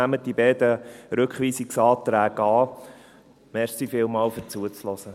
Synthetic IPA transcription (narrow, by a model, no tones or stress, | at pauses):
æmət̚d̥ibɛːdəɾɵkχʋiːsiksɑːt̪ɾæːɡɑː | mɛɾsifɪlmɑːlføɾt͡suət͡slɔsə